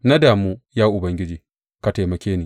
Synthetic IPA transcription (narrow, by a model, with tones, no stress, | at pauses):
na˦daː˨muː˦jaː˦ʔʊ˨bɐ˦ŋɡʲɪ˦d͡ʒiː˨ | ka˨ta˨jmɐ˨kʲeː˦niː˨